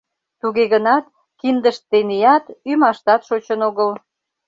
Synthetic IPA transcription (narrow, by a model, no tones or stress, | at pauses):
t̪uɣeɣənɑt̪ | kind̪əʃt̪ːenijɑt̪ymɑʃt̪ɑt̪ʃot͡ɕənoɣəl